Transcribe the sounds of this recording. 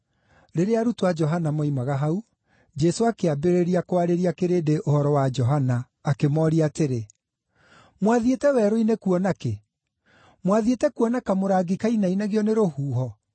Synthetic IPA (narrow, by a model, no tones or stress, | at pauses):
ɾeɾeaɾutowad͡ʒɔɦanamɔimaɣaɦau | d͡ʒɛsoakeabeɾeɾiakoaɾeɾiakeɾedeʔohɔɾɔwad͡ʒɔɦanaː | kemɔɾiateɾe | mwaðietɛwɛɾoinekuɔnake | mwaðietɛkuɔnakamoɾaɡikainainaɣiɔneɾohuːɦɔ